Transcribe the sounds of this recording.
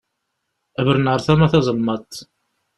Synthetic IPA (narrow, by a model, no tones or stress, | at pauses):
ævəɾnʕəɾˤθæmæθɑzˤəlmɑt̪ˤː